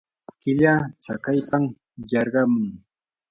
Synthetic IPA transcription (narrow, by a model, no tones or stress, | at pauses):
kɪʎaːt͡sakajpam | jɑɾɢɑmʊŋ